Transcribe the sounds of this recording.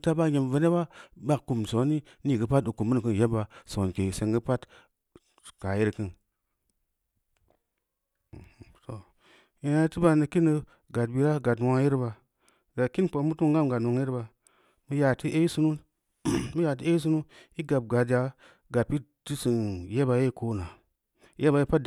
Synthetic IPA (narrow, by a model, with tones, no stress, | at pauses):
ta˦ba˦je˨m˨və˨ne˦ba˦ba˦kku˨mso˨˦ni˦ | ni˦˨ɡə˦pa˦tu˨ku˨mːə˦n˨kɨ˦n˨je˦ba˨so˨n˨ke˨se˨ŋɡə˦pa˦t | ka˨ji˦ɾkɨ˦n˨ | to˨ | i˨na˧˦tɨ˦ba˧˨nə˧ki˦nə˧ | ɡa˨tbi˨ɾa˦ɡa˨twa˦ji˦ɾba˨ | ɡa˨ki˦npo˨˦mu˦tu˦ŋ˦ɡa˦m˨ɡa˨tno˨ŋ˦ji˦ɾba˨ | mə˧˦ja˨ti˦ʔe˦i˦su˦nu˦ | mə˦ja˨t̬i˦e˦i˦s̬u˦nu˦i˦ɡa˨p̚ɡa˨dja˨˦ | ɡa˨t̚pi˦ti˦sɨ˨nje˦ba˨je˦˨˦ko˦na˨ | jʔe˦ba˨ji˦pa˦td